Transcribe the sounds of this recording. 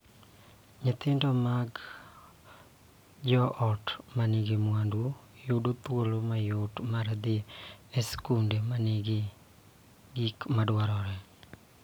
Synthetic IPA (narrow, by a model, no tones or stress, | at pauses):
ɲɪt̪ɪndɔmaɡ | d͡ʒɔʔɔtmaniɡemwandujʊdot̪wolomajotmaɾad̪ɪeskundemaniɡɪ | ɡikmadwaɾɔɾɛ